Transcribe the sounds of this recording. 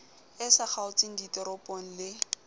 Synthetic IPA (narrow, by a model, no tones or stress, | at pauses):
ɪsak͡xʰaʊt͡sʼiŋ̩ditʼɔɾɔpʼɔn̩lɪ